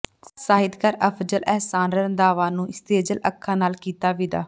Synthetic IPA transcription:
saːɦɪd̪kəɾəpʰd͡ʒəlɛɦsaːnɾəənd̪aːʋãːnũːɪst̪eːd͡ʒələkʰːãːnaːlkiːt̪aːʋiːd̪a̰ː

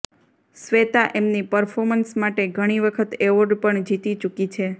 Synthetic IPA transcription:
sʋet̪aʔemnipəɾfʰɔɾmənsmaʈeɡʱəɽ̃iʋəkʰət̪eʋoɾɖpəɳd͡ʒit̪it͡ʃukit͡ʃʰe

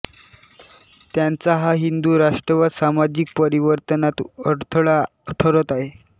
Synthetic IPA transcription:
t̪jant͡saɦaɦind̪uːɾaʂʈɾəʋad̪samad͡ʑik̚pəɾiʋəɾt̪ənat̪əɾt̪ʰəɭa | ʈʰəɾət̪aɦe

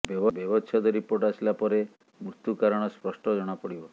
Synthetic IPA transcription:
bjɔbɔbjɔbɔt͡ʃʰad̪ɔɾipoɾʈasilapɔɾe | mɾut̪jukaɾɔɽ̃ɔspɾɔsʈɔd͡ʒɔɽ̃apɔɽibɔ

